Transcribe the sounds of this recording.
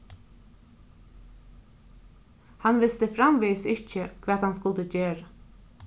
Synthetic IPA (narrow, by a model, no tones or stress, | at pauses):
hanʋɪst̪əfɾamʋiːsɪhcəkʰvɛːt̪hanskʊlt̪əceːɹa